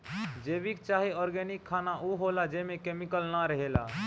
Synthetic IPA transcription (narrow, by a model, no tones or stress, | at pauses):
d͡ʒebikt͡ʃaɦiɔɾɡɛnikʰːanaʔuɦolad͡ʒemekemikəlnaɾəɦela̰